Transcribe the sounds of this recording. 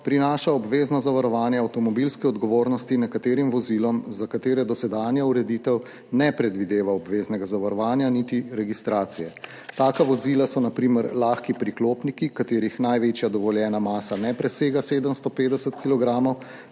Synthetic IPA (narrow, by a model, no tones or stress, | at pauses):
pɾinaːʃaɔbʋeːznɔzaʋaɾɔʋaːnjɛawt̪ɔmɔbilskɛɔd̪ɡɔʋoːɾnɔst̪inɛkat̪eːɾimʋɔzilɔmzakat̪eːɾɛd̪ɔsɛd̪aːnjauɾɛd̪it̪ɛw | nɛpɾɛd̪ʋid̪eːʋaɔbʋeːznɛɡazaʋaɾɔʋaːnjanit̪iɾɛɡist̪ɾaːt̪sijɛ | t̪aːkaʋɔzilasɔnapɾiːməɾlaːxkipɾikloːpnikikat̪eːɾixnajʋet͡ʃjad̪ɔʋɔljɛːnamaːsanɛpɾɛseːɡaseːd̪əmst̪ɔpeːd̪ɛsət̪kilɔɡɾaːmɔw